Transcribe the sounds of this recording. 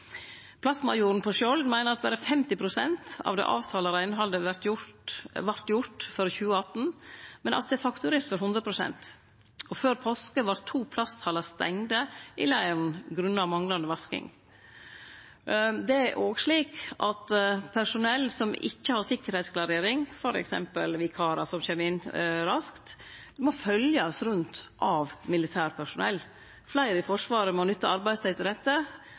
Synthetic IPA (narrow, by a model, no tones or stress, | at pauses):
pʰlɑsmɑ̰juːɾn̩pʰɔʃɔld̪mæɪnəɾɑt̪̚bæɾəfɛmt̪ɪpʰɾʊsɛnt̪ɑ̰ʋd̪ɛ̰ːʔɑ̰ːʋt̪ʰɑːləɾæɪnəɦɑd̪əʋæɾt̪jʊʋɑɾt̪jʊɾʈ̪føːɾəçʉːəɑt̪n̩mɛnʔɑ̰t̪d̪ɛːfɑkt̪ʉɾeːɾt̪fʋɔɾɦʉnd̪ɾəpʰɾʊsɛ̰nt̪ | ɔføːɾpʰɔskəʋɑɾt̪ʰuːpʰlɑst̪ʰɑːləst̪ɛ̰ŋd̪əʔɪlæɪəɾn̩ɡɾʉnːəɑʋmɑŋlɑnd̪əʋɑskɪ̰ŋ | d̪ɛæʔoːɡʂɭiːkʔɑt̪pʰæʂʊnɛlːsɔmɪ̰çːəhɑɾsɪkːəɾhɛɪt̪skʰlɑɾeːɾɪŋfɔɾɛ̰ksɛ̰mpəlʋɪkʰɑːɾɑsɔmçɛmɪnɾɑskt̪ | mɔfœljɑsɾʉnt̪ʔɑʋmɪlɪt̪ʰæːɾpʰæʂʊnɛ̰lː | flæɪɾəfɔʂʋɑːɾəmɔnʏt̪ːəɑɾbæɪst̪ɛt̪ɪd̪ɛt̪ːə